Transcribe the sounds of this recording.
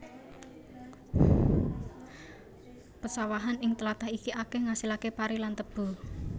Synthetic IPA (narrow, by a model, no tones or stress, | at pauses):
pəsawaɦanɪŋt̪əlat̪ahikiakehŋasilakepaɾilant̪əb̥ṳ